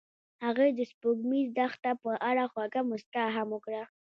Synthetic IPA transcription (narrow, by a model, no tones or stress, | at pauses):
haɣed̪əspoɡmizd̪axt̪apəʔaɽaxwaɡamʊst̪aɦamʊkɽa